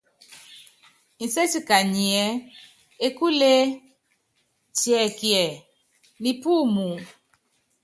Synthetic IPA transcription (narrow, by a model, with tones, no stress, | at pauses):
n̩˨se˦t͡ʃi˦ka˨ɲi˨ɛ˦ | e˦ku˦le˦ | t͡ʃi˨ɛ˨ki˨ɛ˨ | ni˨pu˦˨mu˨